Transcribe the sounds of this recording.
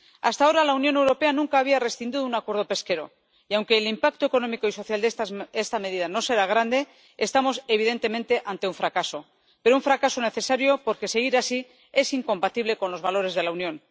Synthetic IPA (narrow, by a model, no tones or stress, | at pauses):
a̰st̪ao̞ɾalaunjo̞newɾo̞pe̞anũŋkaːβiare̞sθind̪iðunakwe̞ɾðo̞pe̞ske̞ɾo̞̰ | iawŋke̞ːlimpak̚t̪oe̞ko̞nõ̞miko̞iso̞θjald̪eest̪ame̞ðiðano̞se̞ɾaɣ̞ɾand̪e̞ | est̪amo̞se̞β̞iðe̞nt̪e̞mẽ̞nt̪e̞ʔant̪e̞uɱfɾakaso̞ | pe̞ɾouɱfɾakaso̞ne̞θe̞saɾjo̞po̞ɾke̞se̞ɣ̞iɾasi | e̞siŋko̞mpat̪iβle̞ko̞nlo̞zβalo̞ɾe̞zðe̞launjõ̞n